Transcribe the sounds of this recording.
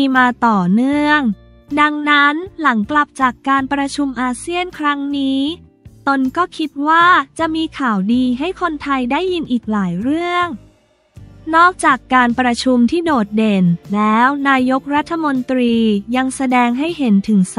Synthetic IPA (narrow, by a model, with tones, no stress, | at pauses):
i˧maː˧t̪ɔː˨˩nɯ˥˩əŋ | da˧ŋna˦˥nla˩˦ŋkla˨˩p̚t͡ɕaː˨˩kːaː˧npɾa˧t͡ɕʰu˧mʔaː˧si˥˩ənkʰɾa˦˥ŋniː˦˥ | t̪o˧nkɔː˥˩kʰi˦˥t̪̚waː˥˩t͡ɕa˨˩ʔmiː˧kʰaː˨˩wdiː˧ɦa˥˩jkʰo˧nt̪ʰa˧jdaː˥˩jːi˧nʔiː˨˩k̚laː˩˦jɾɯ˥˩əŋ | nɔː˥˩k̚t͡ɕaː˨˩kːaː˧npɾa˧t͡ɕʰu˧mt̪ʰiː˥˩doː˨˩t̪̚de˧nlɛː˦˥wnaː˧jo˦˥k̚ɾa˦˥t̪ʰːa˧mo˧nt̪ɾiː˧ja˧ŋsa˧dɛː˧ŋɦa˥˩jɦe˩˦nt̪ʰɯ˩˦ŋs